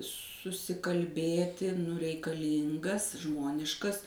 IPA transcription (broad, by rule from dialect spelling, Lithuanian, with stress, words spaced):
sʊsʲɪkɐlʲˈbʲeːtʲɪ nʊ rʲɛɪkɐˈlʲiːŋɡɐs ˈʒmoːnʲɪʃkɐs